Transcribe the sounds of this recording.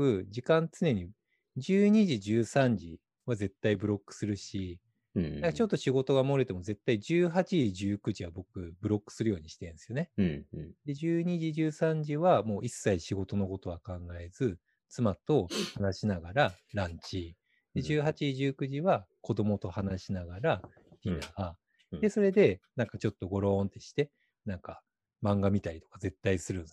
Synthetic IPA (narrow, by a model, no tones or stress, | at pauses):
ɯ̟d͡ʑikãnt͡sɨne̞ɲ̟i | d͡ʑɨːɲ̟iʑid͡ʑɨːsãɲ̟d͡ʑi | βaze̞t̪ːaibɯ̟ɾo̞kːɯ̥sɨɾɯ̟ɕi | d̪akat͡ɕo̞t̪ːo̞ɕiɡo̞t̪o̞ɡamo̞ɾet̪e̞mo̞ze̞t̪ːaid͡ʑɨːɦat͡ɕiʑɨːkɯ̟ʑiβabo̞kɯ̟bɯ̟ɾo̞kːɯ̟̥sɨɾɯ̟jo̞ːɲiɕi̥t̪ẽnsɨjo̞ne̞ | d̪e̞d͡ʑɨːɲ̟iʑiʑɨːsãɲ̟d͡ʑiβamo̞ːʔisːaiɕiɡo̞t̪o̞no̞ko̞t̪o̞βakãŋɡae̞zɨ | t͡sɨmat̪o̞hanaɕinaɡaɾaɾãɲ̟t͡ɕi | d̪e̞ʑɨːhat͡ɕiʑɨːkɯ̟ʑiβako̞d̪o̞mo̞t̪o̞hanaɕinaɡaɾa | çʲinaa | d̪e̞so̞ɾe̞d̪e̞nãŋkat͡ɕo̞t̪ːo̞ɡo̞ɾõ̞ːnt̪e̞ɕi̥t̪e̞ | nãŋka | mãŋɡamʲit̪aɾʲit̪o̞̥kaze̞t̪ːaisɨɾɯ̟̃n